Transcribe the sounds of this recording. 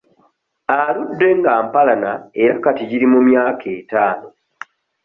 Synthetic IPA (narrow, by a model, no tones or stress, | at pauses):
aludːe̞ŋɡaːmpalanaeɾakatiɟiɾimumjaːkʰe̞ːtaːno̞